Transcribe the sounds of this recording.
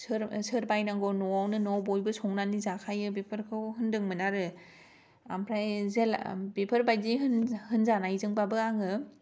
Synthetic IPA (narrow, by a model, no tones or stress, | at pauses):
sɯɾsɯɾbajnaŋɡɔnɔawnɯnɔwbɔjbɯsɔŋnanizakʰajɯbepʰɯɾkʰɯwhɯndɯŋmɯnaɾɯ | a̰mpʰɾajzelbepʰɯɾbajdiɦɯnhɯnzanajzɯŋbabɯaŋɯ